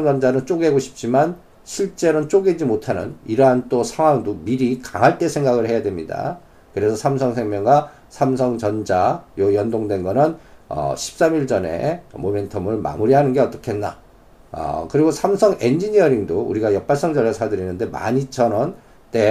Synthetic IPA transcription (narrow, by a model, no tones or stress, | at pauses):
ŋd͡ʑʌnd͡ʑanɯnt͡ɕ͈oɡeɡoɕʰi̥p̚t͡ɕ͈iman | ɕʰiɭt͡ɕ͈e̞ɾont͡ɕ͈oɡed͡ʑimotʰanɯ̰niɾʌɦant͈osʰaŋwaŋdomiɾikaŋɦaɭt͈e̞sʰe̞ŋɡaɡɯɭhe̞jadwe̞mɲida̰ | kɯɾe̞sʰʌsʰamsʰʌŋsʰe̞ŋmjʌŋɡa | sʰams̬ʰʌŋt͡ɕʌnd͡ʑajojʌndoŋdwenɡʌnɯnʌ̰ɕʰi̥p̚s͈amiɭd͡ʑʌne̞̰mome̞ntʰʌmɯɭma̰muɾiɦanɯnɡe̞ʌt͈ʌkʰeɦenːa̰ | ʌ̰kɯɾiɡosʰamsʰʌŋe̞nd͡ʑiɲiʌɾiŋdoṵɾiɡajʌp͈aɭs͈ʌŋd͡ʑʌɭːasʰadɯɾinːɯnde̞ma̰ɲit͡ɕʰʌnʌn | t͈e